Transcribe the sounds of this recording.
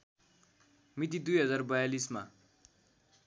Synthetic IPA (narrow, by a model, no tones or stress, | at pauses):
mit̪̬id̪ujɦʌd͡zarbʌjalisma̰